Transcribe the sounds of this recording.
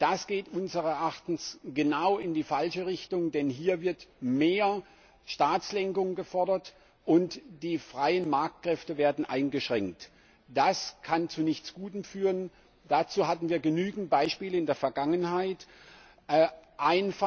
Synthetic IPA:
d̥asɡ̥eːtʔʊnzəʁɛɐʔaχtn̩sɡ̥ənaʊɪndiːfalʃəʁɪçtʊŋdɛnɦiːɐvɪɐtmeːɐ | ʃtaːt͡slɛŋkʊŋɡəfɔɐdɐt | ʔʊntd̥iːfʁ̥aɪənmaɐk̚t̚kʁ̥ɛftəveːɐdn̩ʔa̰ɪnɡəʃʁ̥ɛŋk̚t | d̥askʰant͡sunɪçt͡sɡ̥uːtəmfyːʁən | d̥at͡suːɦatn̩viːɐɡənyːɡŋ̩t̚b̥aɪʃpiːləɪndeːɐfɛɐɡaŋənhaɪt | ʔʔaɪnf

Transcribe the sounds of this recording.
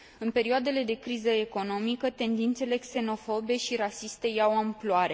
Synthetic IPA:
ɨnpe̞ɾioad̪e̞le̞d̪e̞kɾizəe̞ko̞no̞mikət̪e̞nd̪int̪se̞le̞kse̞no̞fo̞be̞ʃiɾasist̪e̞jawamploaɾe̞

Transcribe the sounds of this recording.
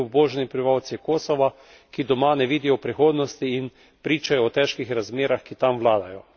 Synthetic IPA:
uboːʒɛnipɾʋawt̪sikoːsɔʋa | kid̪ɔmanɛʋiːd̪ijɔpɾixoːd̪nɔst̪iːn | pɾiːt͡ʃajɔːt̪ɛːʃkixɾazmeːɾaxkit̪amʋlaːd̪ajɔ

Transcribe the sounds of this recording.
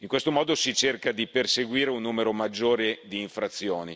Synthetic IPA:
iŋkwest̪omɔːd̪osit͡ʃerkad̪iperseɡwiːɾeunːuːmeɾomad͡ʒːoːɾed̪iːɱfɾat̪sːjoːni

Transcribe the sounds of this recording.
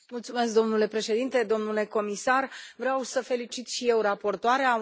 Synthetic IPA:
mult̪sume̞s̬k̚d̪o̞mnule̞pɾe̞ʃe̞d̪int̪e̞d̪o̞mnule̞ko̞misarvɾeawsəfe̞lit͡ʃit̪ʃije̞wrapo̞rt̪oaɾea

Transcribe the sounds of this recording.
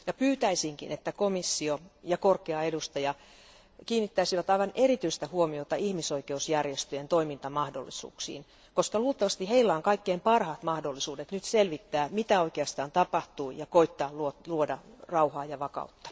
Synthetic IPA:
jɑpyːt̪æisiŋkḭnet̪ːækomisːiojɑkorkeɑedust̪ɑjɑ | kiːnːit̪ːæisiʋæt̪ɑiʋɑnerit̪yist̪æhuomiot̪ɑihmisoikeusjærjest̪øjent̪oimint̪ɑmɑhdo̰lːisṵːksḭːn | koskɑluːlt̪ːˑɑʋɑst̪iheilːæoŋkɑikːeimpɑrhɑt̪mɑhdolːisuːdet̪nyt̪selʋit̪ːæːmit̪æoikeɑst̪ɑːnt̪ɑpɑht̪uːjɑkoit̪ːɑːlluoluodɑrɑuhɑːjɑʋɑkɑ̰ut̪ːɑ̥

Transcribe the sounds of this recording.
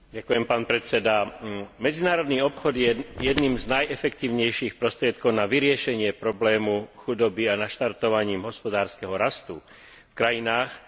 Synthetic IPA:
ɟakujɛmpaːnpɾɛt͡sɛd̪amɛd͡zinaːɾɔd̪niːɔpxɔd̪jɛjɛd̪niːmznajɛfɛkt̪iːʊɲɛjʃixpɾɔst̪ɾɪɛt̪̚kɔʊnaʋiɾɪɛʃɛɲɪɛpɾɔblɛːmuxud̪ɔbianaʃt̪aɾt̪ɔʋaɲiːmɦɔspɔd̪aːɾskɛɦɔɾast̪u | fkɾajinaːx

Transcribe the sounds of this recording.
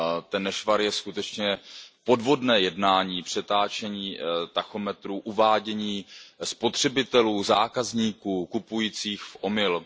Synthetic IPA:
t̪ɛnːɛʃvaɾjɛskut̪ɛt͡ʃɲɛpo̞dvo̞dnɛːjɛdnaːɲiːpr̝̥ɛt̪aːt͡ʃɛɲiːt̪axo̞mɛt̪ɾuːʔuvaːɟɛɲiːspo̞t̪r̥ɛbɪt̪ɛluːzaːkazɲiːkuːkupujiːt͡siːxfʔo̞mɪl

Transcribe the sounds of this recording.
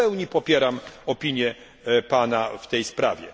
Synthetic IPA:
ɛwɲipɔpʲjɛɾamɔpʲiɲjɛ | panaft̪ɛjspɾa̰vʲjɛ̰

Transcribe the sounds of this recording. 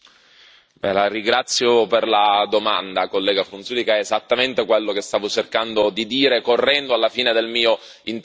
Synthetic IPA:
bɛ̰laɾiɡɾat̪sːjoperlad̪oma̰nd̪akolːɛːɡafɾunsuːlikaɛːzat̪ːament̪ekwelːokest̪aːvot͡ʃerkand̪od̪id̪iːɾekorːɛnd̪oalːafiːned̪elmiːo | int̪

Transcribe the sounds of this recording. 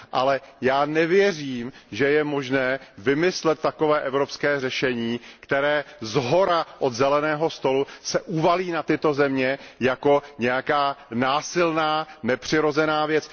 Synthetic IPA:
ʔalɛjaːnɛvjɛriːmʒɛjɛmo̞ʒnɛːvɪmɪslɛt̪̚ːako̞vɛːʔɛvɾo̞pskɛːrɛʃɛɲiːkt̪ɛɾɛːzɦo̞ɾaʔod̪zɛlɛnɛːɦo̞st̪o̞lusɛʔuvaliːnat̪ɪt̪o̞zɛmɲɛjako̞ɲɛjakaːnaːsɪlnaːnɛpr̥ɪɾo̞zɛnaːvjɛt͡s

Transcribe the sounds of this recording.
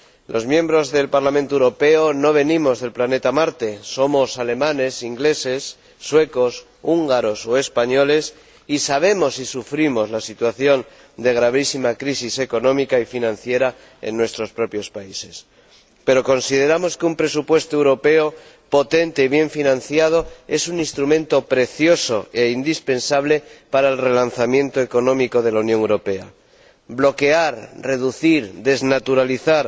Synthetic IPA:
lʔo̞zmje̞mbɾo̞zðe̞lpaɾlamẽnt̪oewɾo̞pe̞ono̞β̞e̞nĩmo̞zðe̞lplane̞t̪amaɾt̪e̞somo̞sale̞mãne̞siŋɡle̞se̞sː | we̞ko̞s | uŋɡaɾo̞so̞e̞spaɲo̞le̞s | isaβ̞e̞mo̞sisufɾimo̞zlasit̪waθjo̞n | d̪e̞ɣ̞ɾaβ̞isimakɾisise̞ko̞nõ̞mikaifinãnθje̞ɾa | e̞̰nːwe̞st̪ɾo̞spɾo̞pjo̞spaise̞s | pe̞ɾo̞ko̞nsið̞e̞ɾamo̞skeumpɾe̞supwe̞st̪oe̞wɾo̞pe̞o | po̞t̪e̞nt̪e̞iβje̞ɱfinãnθjað̞o̞e̞sunĩnst̪ɾumẽ̞nt̪o̞pɾe̞θjo̞so̞e̞ind̪ispe̞nsaβ̞le̞paɾaelre̞lanθamjẽ̞nt̪oe̞ko̞nõ̞miko̞ð̞e̞launjoŋewɾo̞pe̞a | blo̞ke̞aɾre̞ðuθiɾðe̞znat̪uɾaliθaɾ

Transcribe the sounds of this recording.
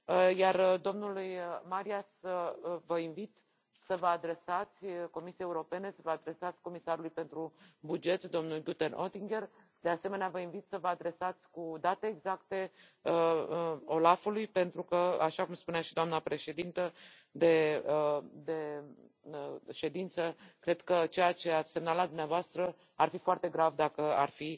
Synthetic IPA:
əjard̪o̞mnulujmaɾiasəvəinvit̪ | səvəad̪ɾe̞sat̪sʲko̞misiejeuɾo̞pe̞ne̞səvəad̪ɾe̞sat̪sʲko̞misaɾulujpe̞nt̪ɾubud͡ʒe̞t̪d̪o̞mnulɡut̪enʔot̪iŋɡe̞r | d̪ease̞meneavəinvit̪səvəad̪ɾe̞sat̪sʲkud̪at̪e̞ːɡzakt̪e̞ | ə | o̞lafulujpe̞nt̪ɾukəaʃakumspuneaʃid̪oamnəpɾe̞ʃe̞d̪int̪ə | d̪e̞ | d̪e̞ | ʃe̞d̪int̪səkɾe̞d̪kət͡ʃe̞jat͡ʃe̞at̪sʲse̞mnalad̪umneavoast̪ɾə | arfifoart̪e̞ɡɾavd̪akəa̰rfi

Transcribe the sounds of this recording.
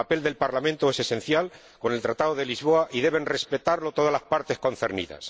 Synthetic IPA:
ape̞ld̪e̞lpaɾlamẽnt̪oe̞se̞se̞n̟θjal | ko̞nelt̪ɾat̪aðoð̞e̞lizβ̞o̞aʔiðe̞β̞e̞nre̞spe̞t̪aɾlo̞t̪o̞ð̞azlaspaɾt̪e̞sko̞n̟θe̞ɾnḭða̰s

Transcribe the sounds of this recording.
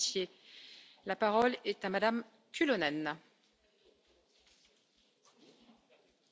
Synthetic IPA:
sje | lapaʁɔlɛt̪amad̪am | kʲʰylɔnɛn

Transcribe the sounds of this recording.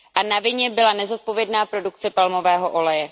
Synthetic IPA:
ʔanavɪɲɛbɪlanɛzo̞t̪̚po̞vjɛdnaːpɾo̞duk̚t͡sɛpalmo̞vɛːɦo̞ʔo̞lɛjɛ

